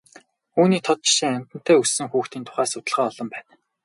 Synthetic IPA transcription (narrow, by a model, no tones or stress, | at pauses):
uːniːt̪ʰɔt̪̚t͡ɕɪ̥ʃiːŋæm̥ʲt̪ə̆n̥t̪ʰæːussɘ̆ŋxuːxt̪iːnt̪ʰʊ̥χaːsʊt̪ə̆ɮʁaːɔɮɞ̆mpæːn